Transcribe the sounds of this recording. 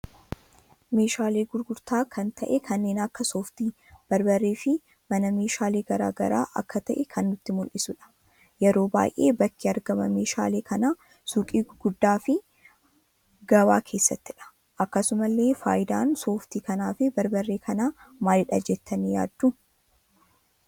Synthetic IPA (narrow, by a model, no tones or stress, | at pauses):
me̞ːʃaːle̞ːɡʊɾɡʊɾt̪aːkʰɐnt̪ʰɐʔɛkʰɐnːeːnɐkːɐso̞ːft̪iː | b̥ɐɾbɐrːeːfɪ | mɐnɐme̞ːʃaːle̞ːɡɐɾa̰ːɡɐ̰ɾa̰ːʔɐkːɐt̪ɐʔɛkʰɐnːʊt̪ːɪmʊlʔɪsʊᶑɐ̥ | jɛɾo̞ːba̰ːjʔe̞̰ːbɐkːiɐɾɡɐmɐme̞ːʃa̰ːleːkʰɐnaː | suːkʼiːɡ̥ʊd̪ːaːfɪ | ɡɐba̰ːkʰe̞ːsːɐt̪ːɪᶑɐ̥ | ʔɐkːɐsʊmɐlːe̞ːfa̰ːjɪd̪aːnso̞ːft̪iːkɐnaːfɪbɐɾbɐrːe̞ːkʰɐnaːmaːlɪᶑɐd͡ʒɛt̪ːɐnija̰ːd̪ːʊ